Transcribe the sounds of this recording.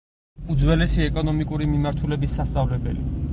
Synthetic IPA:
ud̪zwɛlɛsiɛkʼɔnɔmikʼuɾimimaɾt̪ʰulɛbisːast̪sʼavlɛbɛ̰lḭ

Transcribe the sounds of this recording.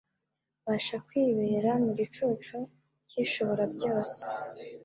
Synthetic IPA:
βaʃakwiːβeɾamuɡit͡ʃut͡ʃu | ciʃo̞βo̞ɾabɟo̞ːse̥

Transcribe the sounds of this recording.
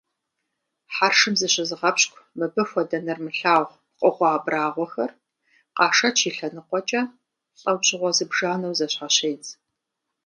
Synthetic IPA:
ħaːrʂɨmzɨɕɪzɨʁɐpɕkʷʰmɨbɨfʷɔdɐnɐrmɨɬaːʁʷ | qʷʼɔʁʷɑːbraːʁʷɔxɐr | qɑːʂɐt͡ʃʰiːɬɐnɨqʷɔt͡ʃʼɐ | ɕʼɐwɕʼɪʁʷɔzɨbʒaːnɐwzɐɕħaɕejt͡sʰʼ

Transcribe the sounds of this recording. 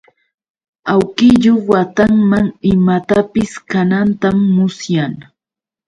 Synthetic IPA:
awkɪʎowat̪aŋmaŋɪmat̪apɪskanant̪amːʊsjaŋ

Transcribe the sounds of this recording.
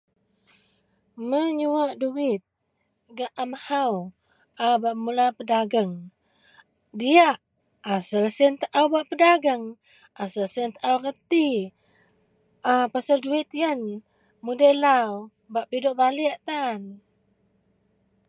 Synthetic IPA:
məɲuwaʔduwɪt̪̚ | ɡaʔamahaw | ʔabaʔmulapədaɡəŋ | dijaʔ | asəlsiənt̪əʔawbaʔpədaɡəŋ | ʔasəlsiənt̪əʔawrət̪i | apasalduit̪jən | mudəlaw | baʔpidoʔbaliaʔt̪an

